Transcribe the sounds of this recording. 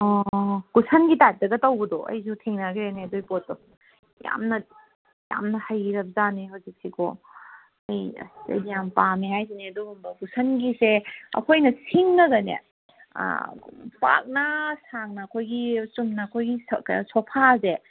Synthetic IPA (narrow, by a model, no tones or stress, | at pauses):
ɔkusʰɐnɡitat̚dɐɡɐtɐwɡɐdɔʔɐ̰jzutʰiŋnaɡɾeneɐdujpot̚dɔ | ja̰mnɐ | ja̰mnɐhɐjɾɐp̚zanihawzik̚sikʰo̰ | ɐj̰sḛdijampamiɦajzineɐduɡumbɐkusʰɐnɡiseɐ̰kʰojnɐsʰiŋnɐɡɐnḛ | pa̰k̚nɐsaŋnɐːkʰojɡisumnɐːkʰojɡisopʰaze